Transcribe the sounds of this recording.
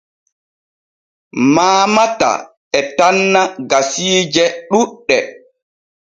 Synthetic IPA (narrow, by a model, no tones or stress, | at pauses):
maːmata̰ | ɛtanːaɡasiːd͡ʒɛɗuɗːɛ